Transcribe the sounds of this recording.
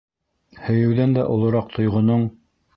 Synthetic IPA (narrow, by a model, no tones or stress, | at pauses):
hɵ̆jɘ̆wðænd̪æʔŏlˠɤ̆ɾɑq̚t̪ʰŏjʁŏnoɴ